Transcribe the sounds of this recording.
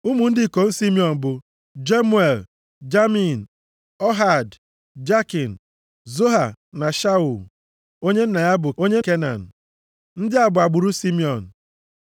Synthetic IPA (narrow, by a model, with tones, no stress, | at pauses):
u˦mu˨n̩˦dɪ˦˨ko˨n̩˦si˦mi˦ɔ˨n̩˨bʊ˨ | d͡ʒe˦mu˦e˨l | d͡ʒa˦mi˨n̩˨ | ɔ˦ɦa˨d | d͡ʒa˦ki˨n̩˨ | zo˦ɦa˨na˨ʃa˦u˨l | o˦ɲe˦n̩˦na˨ja˦bʊ˨o˦ɲe˦ke˦na̰˨n̩˨ | n̩˦dɪ˦a˨bʊ˨a˨ɡ͡bʊ˨ɾu˦si˦mi˦ɔ˨n̩˨